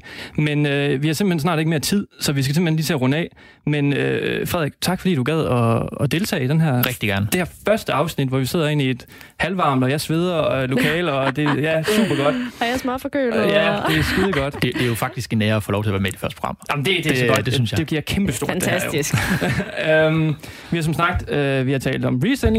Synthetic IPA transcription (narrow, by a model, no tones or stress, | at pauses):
menøʋihɑ̈sem̥l̥̩hensnɑ̰̈ːɾe̝ɡ̥me̝ɐt͡sʰið̰ˠsɒ̽ʋis̬ɡ̥æse̝mb̥lhenliːt͡sʰe̝ɐʁɔ̽nəɛ̰ː | menøfʁɛðˠeɡ̥t͡sʰɑ̈ɡ̥fɒdḭːd̥uɡæð̞ˠɒ̽ɒ̽d̥e̝lt͡sʰɛ̰ːid̥enɦæɐ̰ʁɛɡ̥̚d̥iɡ̥æɐnəd̥e̝hæɐfɶɐsd̥əɑ̈ʊsnid̥ʋɒʋise̝ð̞̰ˠɐe̝̰nie̝d̥ | hælʋɑ̈ːmlɒjɑsʋe̝ð̞ˠɐɒlo̝kʰɛ̰ːlɒ̽d̥e̝jæsṵːb̥ɐɡ̥ɒ̽d̥jsmɑ̈fɒkøljæd̥e̝sɡ̥uðˠɡ̥ɒ̽d̥d̥ed̥ejo̝fɑ̈ɡ̥̚d̥isɡ̥nɛːɐfolɒʊt͡sʰe̝ɐʋæɐmed̥i̥fɶɐsəpʰo̝̥ʁɑ̈m̰jɑm̩d̥e̝d̥eɡ̥d̥esynsjɑd̥eɡ̥iɐ̰kʰemb̥əsd̥o̝ɐ̥æso̥isɡ̥ | øm | ʋiɑ̈sɒ̽msnɑ̈ɡ̥̚d̥øʋihɑt͡sʰɛ̰ːld̥ɒ̽mʁiseneŋ